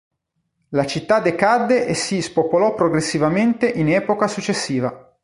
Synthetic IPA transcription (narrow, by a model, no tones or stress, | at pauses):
lat͡ʃit̪ːad̪ekad̪ːeʔesispopolɔpːɾoɡɾesːivament̪eʔinɛːpokasut͡ʃːesːiːva